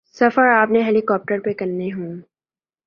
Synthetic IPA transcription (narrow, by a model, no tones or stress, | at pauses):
sɐfəɾaːpneɦɛːlikɔːp̚ʈəɾpekɐɾːeɦũː